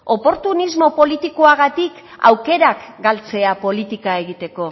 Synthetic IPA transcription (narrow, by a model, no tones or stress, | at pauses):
opo̞ɾt̪unizmo̞po̞lit̪ikoaɣat̪ik | a̰wke̞ɾakɡalt͡se̞apo̞lit̪ikae̞ɣit̪e̞ko̞